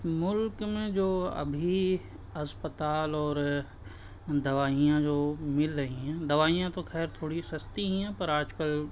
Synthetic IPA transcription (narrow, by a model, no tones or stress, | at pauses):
mʊlkmẽd͡ʒoːɐ̰bʱi | ɐspət̪aːlɔːɾ | d̪ɐʋaːijãd͡ʒoːmɪlɾɐɦĩɦɛ̃d̪ɐʋaːijãt̪oxɛːɾt̪ʰoːɽisɐst̪iɦĩɦɛ̃pɐɾaːd͡ʒkəl